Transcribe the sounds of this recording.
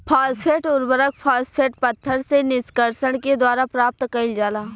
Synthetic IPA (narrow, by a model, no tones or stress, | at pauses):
pʰaːspʰeːʈʊɾbəɾək̚ʰpʰaːspʰeːʈpət̪ʰːəɾsenɪskəɾsəɽ̃ked̪waːɾapɾaːp̚t̪kəɪld͡ʒaːlaː